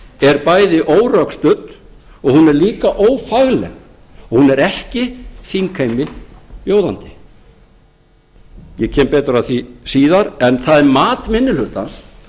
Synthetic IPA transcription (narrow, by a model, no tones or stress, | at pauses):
ɛɾpaːjðɪʔoːwrœkst̪ʏt̪ | ɔɣhunɛɾliːkaʔoːwfaɣlɛ̰ɣ | ɔɣhunɛɾɛhcɪθinkʰejmɪpjowða̰nt̪ɪ̥ | jɛcʰɛːmpɛːt̪ɾaðθisiːðaɾɛnθaðɛɾmaːt̪mɪnːɪlʏt̪a̰s